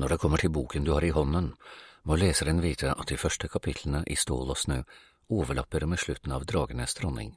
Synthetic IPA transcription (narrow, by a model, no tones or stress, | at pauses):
nɔɖɛkʰɔmːəʈʰɪlbuːkənd̪ʉhɑːɾɪɦɔnːənmɔleːsəɾɛnʋiːt̪ʰəʔɑt̪̚d̪ɪfœʂʈəkʰɑpʰɪt̪ʰlənəʔɪ̰st̪oːlɔsnøː | oːʋəɭɑpːəɾmeːʂɭʉt̪ːn̩ɑʋd̪ɾɑːɡənəst̪ʰɾɔnːɪ̰ŋ